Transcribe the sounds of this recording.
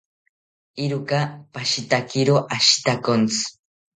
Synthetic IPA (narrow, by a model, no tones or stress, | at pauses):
iɾukapaʃit̪akiɾoʔaʃi̥t̪akont͡sɨ̥